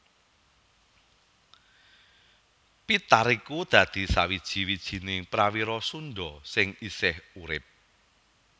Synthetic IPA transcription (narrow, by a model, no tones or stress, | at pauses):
pit̪aɾikud̪̥ä̤d̪̥i̤sawid̥ʒ̥i̤wid̥ʒ̥i̤nɪŋpɾawiɾɔsunɖɔsɪŋisɪhuɾɪp̚